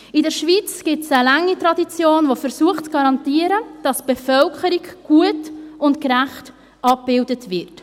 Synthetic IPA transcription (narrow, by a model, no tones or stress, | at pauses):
ɪdəɾʃvit͡sɡ̥ɪtsəlæŋːitɾɑdit͡sjoːnvofəɾsuəχt͡sɡ̥ɑɾɑntiəɾəd̥ɑsb̥ɛfœlkʰəɾiɡɡ̥uətʊntkɾæχt | ʔɑp̚b̥ɪldətvɪɾt